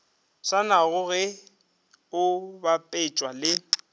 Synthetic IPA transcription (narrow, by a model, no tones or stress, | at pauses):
sanaɣʊɣɛ | ʊbapʼɪt͡ʃʼwalɪ